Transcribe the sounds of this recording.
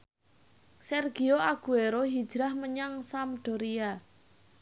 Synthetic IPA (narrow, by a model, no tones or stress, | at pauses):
sɛrɡ̥i̤oaɡ̥ṳeɾoɦid̥d͡ʒ̥ɾahməɲaŋsamɖ̪̥o̤ɾia